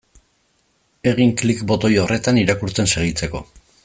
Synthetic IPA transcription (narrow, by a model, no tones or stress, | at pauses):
e̞ɣ̞iŋklikbo̞t̪o̞jorʔe̞t̪aniɾakuɾt͡se̞nse̞ɣ̞it͡se̞ko̞̰